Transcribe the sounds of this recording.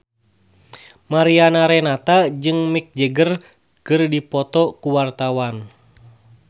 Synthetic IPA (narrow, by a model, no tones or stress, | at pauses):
maɾianaɾɛnat̪ad͡ʒɨŋmik̚d͡ʒəɡər | kɨrdipɔt̪ɔkuwart̪awan